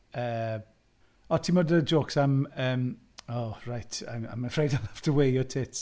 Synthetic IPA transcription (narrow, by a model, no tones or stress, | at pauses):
əː | ɔtʰiːmodəd͡ʒoːksaməːm | ɔɹajtʰa̰mã̰ɪ̃məfɹejdaɪmaftʰəwejɔtʰɪts